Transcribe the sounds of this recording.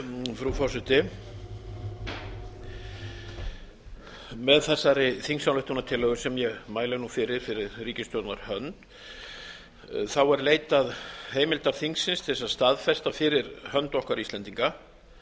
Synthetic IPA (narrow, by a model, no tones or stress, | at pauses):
fɾufɔ̥sɪt̪ɪ | mɛðθɛsːaɾɪθiŋsawnʏht̪ʏnat̪ʰɪlːœɣʏsɛmjɛɣmaːjlanufɪɾɪɾ̥fɪɾɪɾriːcɪst̪jɔwt̪naɾ̥hœnt̪ | θawɛɾleːjt̪aðheːjmɪlt̪aθiŋksɪnst̪ʰɛsast̪aðfɛst̪afɪɾɪɾ̥hœnt̪ɔhkvaɾist̪lɛnt̪iŋka